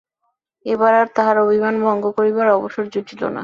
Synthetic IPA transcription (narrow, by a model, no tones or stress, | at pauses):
ebaɾaɾt̪aɦaɾobʱimanbʱɔŋɡokoɾibaɾɔboʃoɾd͡ʑotʰilo̰na̰